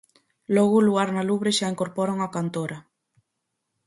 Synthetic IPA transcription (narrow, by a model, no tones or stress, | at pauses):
lɔɣʊluɣaɾnaluβɾeʃaeŋkoɾpɔɾaŋakant̪oɾa